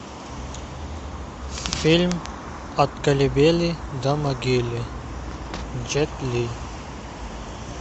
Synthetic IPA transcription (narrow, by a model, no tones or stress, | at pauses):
film | ɐt̪kɐlibelid̪ɐmɐɡili | d͡ʑet̪li